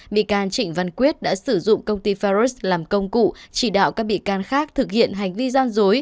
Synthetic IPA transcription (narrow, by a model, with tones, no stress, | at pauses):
ɓḭ˧˨kaː˧nt͡ɕï˧˩ŋ̟va˨˧˩nkwi˦˥ət̚ɗa̰ː˧˥sɨ˧˩zʊ̰˧˨ŋ͡mkə˧wŋ͡mt̪i˧fa˧ɾu˦˥slaː˨˩mkə˧wŋ͡mkṵ˧˨t͡ɕi˧˩ɗa̰ː˧˨wkaː˦˥k̚ɓḭ˧˨kaː˧nxaː˦˥k̚t̪ʰɨ˨˩k̚hḭ˧˨ənɦa˨˩jŋ̟vi˧zaː˧nzo˨˦j